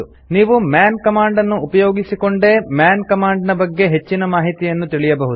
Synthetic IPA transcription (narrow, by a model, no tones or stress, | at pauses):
u | niːʋumjaːnkɐmaːɳɖɐnːuːpɐjoːɡisiko̞ɳɖe̞mjaːnkɐmaːɳɖnɐbɐɡːe̞ɦe̞t͡ʃːinɐmaːɦit̪ijɐnːut̪iɭijɐbɐɦud